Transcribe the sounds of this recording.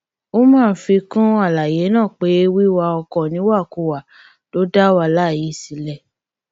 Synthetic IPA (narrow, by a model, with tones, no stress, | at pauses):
o˦mãː˦˨n̩˦fi˧kũ˦a˦˨la˨je˨˦nãː˦˨k͡pe˨˦wi˦wa˧ɔ˧kɔ˨nĩ˨˦wa˦˨ko˧˨wa˨ | to˨˦da˦wa˧la˦˨ji˨˦si˨˦lɛ˦˨